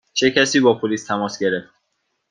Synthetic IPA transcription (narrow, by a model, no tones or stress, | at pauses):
t͡ʃʰe̞cʰæsiːbɒːpʰoliːst̪ʰæmɒːsɟe̞ɾeft̪